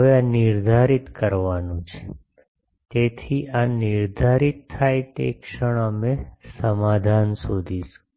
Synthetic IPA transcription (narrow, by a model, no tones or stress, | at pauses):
ʋeanɪɾd̪ʱaɾit̪kəɾʋanũt͡ʃʰe̥ | t̪et̪ʰiʔaniɾd̪ʱaɾit̪ʰːajt̪ḛkʂəɽ̃əmesəmad̪ʱansud̪ʱiʃu̥